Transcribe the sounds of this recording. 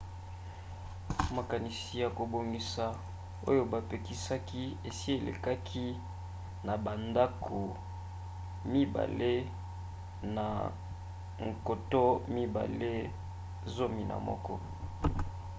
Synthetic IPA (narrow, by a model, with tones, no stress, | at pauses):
ma˨ka˨ni˨si˨ja˨ko˨bo˨ŋɡi˨sa˨ | o˦jo˦ba˨pe˨ki˨sa˦ki˦e˨si˦e˨lḛ˨ka˦kʰi˦ | na˨ba˨nda˦kʰo˨ | mi˦ba̰˨le˦ | na˨ | ŋ̩˨ko˨to˦mi˦ba̰˨le˦ | zo˦mi˨na̰˨mɔ̰˦kɔ˦